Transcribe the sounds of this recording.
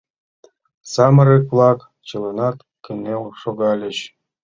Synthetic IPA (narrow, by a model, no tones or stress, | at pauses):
sɑmɤ̆ɾekplˠɑk | t͡ɕɤlˠɤ̆nɑt̪ | kʲɘ̆nʲːelʂoɡɑlʲɘ̆ɕ